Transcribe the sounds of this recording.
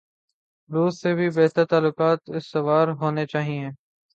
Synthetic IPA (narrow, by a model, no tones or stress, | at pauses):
ɾuːzsebʱibɛːt̪əɾt̪aːlːʊkaːt̪ɪsːɐʋaːɾɦoːnet͡ʃaːɦiẽː